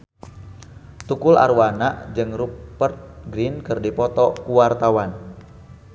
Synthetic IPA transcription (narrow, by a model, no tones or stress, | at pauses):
t̪ukula̰ɾwanaʔd͡ʒɨŋrupərt̪̚ɡɾinkɨrdipɔt̪ɔkuwart̪awan